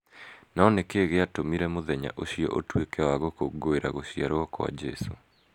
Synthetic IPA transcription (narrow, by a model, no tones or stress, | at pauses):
nɔnekeːɣeatomiɾɛmoðɛɲa̰ʔoɕijɔ̰ʔotwekɛwaɣokoɡoeɾa̰ɣoɕiaɾoɔkɔa̰d͡ʒɛso